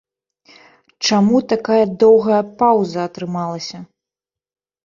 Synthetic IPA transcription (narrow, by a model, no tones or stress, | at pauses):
t͡ʂamut̪akajɐd̪ɔwɣɐjɐpawzɐːt̪ɾɨmalˠɐsʲɐ